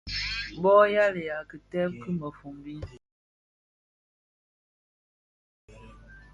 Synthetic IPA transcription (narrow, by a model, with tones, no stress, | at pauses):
bɔ˦ja˦le˨ja˨kə˨tɛ˦p̚kɨ˦mə˨fu˨mbi˦